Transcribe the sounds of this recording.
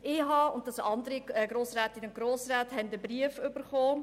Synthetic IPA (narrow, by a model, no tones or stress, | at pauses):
ɪɦɑʊntdɑsɑndəɾiɡ̥ɾoːsɾæːtɪnʊntɡ̥ɾoːsɾaːthɛndəbɾiəfʏb̥əɾχoː